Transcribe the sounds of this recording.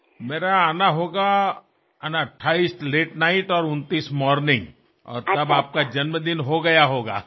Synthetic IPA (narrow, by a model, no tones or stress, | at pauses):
meːɾaaːnaɦoːɡa | ɐnaəʈʰːaːiːst̪leːʈnaːɪʈɔːɾʊ̃nt̪iːsmɔːɾnɪ̃ŋɡ | ɔ̰ːɾt̪ɐbaːp̚kad͡ʒɐnməd̪ɪnɦoɡɐjaɦoːɡa̰ː